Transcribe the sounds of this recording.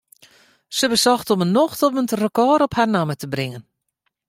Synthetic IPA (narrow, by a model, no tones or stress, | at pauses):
səbəsɔxtɔmənːɔxtɔpmənrəkɔːɾɔpharnamətəbrɪŋən